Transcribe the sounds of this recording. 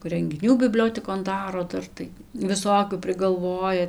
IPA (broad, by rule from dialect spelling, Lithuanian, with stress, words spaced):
rʲɛŋʲɡʲɪˈnʲuː bʲɪˈbʲlʲoːtʲɛkoːn ˈdɑːroː ˈdɐr tɐɪ ʋʲɪˈsoːkʲuː pʲrʲɪɡɐlˠˈʋoːjɛ